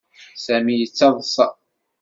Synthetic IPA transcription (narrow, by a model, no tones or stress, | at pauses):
sæmijət͡sːɑðˤəsˤɑ̰